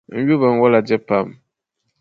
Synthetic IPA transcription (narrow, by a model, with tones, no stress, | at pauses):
n̩˦ɥu˦βɛ˨ŋ̩˨wɔ˦la˨d͡ʒɛ˦pa˦˨m